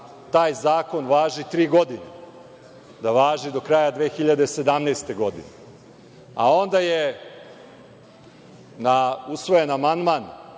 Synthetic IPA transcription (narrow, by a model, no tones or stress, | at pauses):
t̪aːjzaːko̞nʋaːʒit̪ɾiːɡo̞d̪ine | d̪aʋaːʒid̪o̞kɾaːjad̪ʋeːxiʎad̪ese̞d̪amneːst̪e̞ɡo̞d̪ḭne | a̰o̞nd̪aje | nausʋo̞jenamand̪man